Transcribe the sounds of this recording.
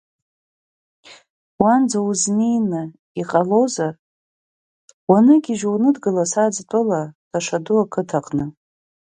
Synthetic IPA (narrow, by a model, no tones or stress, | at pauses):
wand͡zauznejnɨ | iqʼalowzar | wanɨɡʲiʒwnɨdɡɨlasad͡ztʼɨlatʰaʂaduakʰɨtʰaqʼnɨ